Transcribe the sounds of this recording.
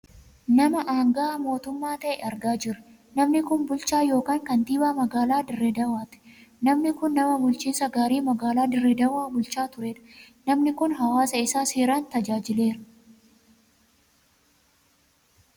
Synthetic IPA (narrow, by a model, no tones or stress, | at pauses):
nɐmɐʔaːŋɡɐaːmo̞ːt̪ʊmːaːt̪ɐʔɛʔɐɾɡaːd͡ʒɪɾɐ̥ | nɐmnɪkʊnbʊlt͡ʃaːjo̞ːkaːŋkɐnt̪iːbaːmɐɡaːlaːd̪ɪrːɛd̪ɐwaːt̪ɪ̥nɐmnɪkʊnːɐmɐbʊlt͡ʃiːnsɐɡaːɾiːmɐɡaːlaːd̪ɪrːɛd̪ɐwaːbʊlt͡ʃaːt̪ʊɾeːᶑɐ̥ | nɐmnɪkʊnɦɐwaːsɐɪsaːseːɾaːnt̪ɐd͡ʒaːd͡ʒɪle̞ːɾɐ